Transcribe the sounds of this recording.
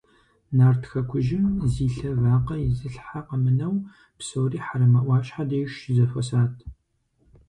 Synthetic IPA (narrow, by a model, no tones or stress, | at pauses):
naːrtxɐkʷʰʊʒɪmziːɬɐvaːqɐjɪzɨɬħaqəmɨnɐw | psoːriːħaɾɐmɐʔʷɑːɕʼħadɐjʃzɐfɐsaːtʰ